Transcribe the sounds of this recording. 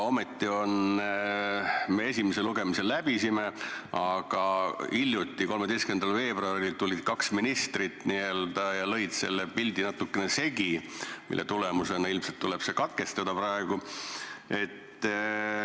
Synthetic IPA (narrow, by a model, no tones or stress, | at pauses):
o̞met̪ːio̞n | me̞e̞simeseluɡ̥e̞miselːæb̥isime̞ɑɡ̥ɑiljut̪ːˑiko̞lme̞d̪ejskynend̪ɑlve̞ːbroɑrilt̪ulːid̪̥̚kɑksminist̪rit̪ːniø̞ld̪̥ɑjɑlɤ̞jd̪se̞̰lːepilʲd̪inɑt̪ːukːene̞se̞ɡimḭlːḛt̪ulemuse̞nɑilmset̪ːule̞b̥se̞kɑt̪̚ke̞st̪ɑd̪̥ɑprɑe̞ɡ̥u | e̞t̪ːˑ